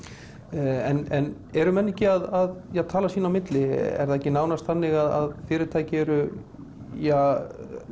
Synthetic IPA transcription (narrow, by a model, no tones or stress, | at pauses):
ɛnɛn | ɛɾʏmɛnːɛhcɪaðaðjɛɣt̪ʰaːlasiːnawmɪt̪lɪɛ̰ɾðaðɛhcːɪnaːwnast̪θanːɪɣaða̰ðfɪːɾɪt̪ʰaːjcɪɛɾʏ | ja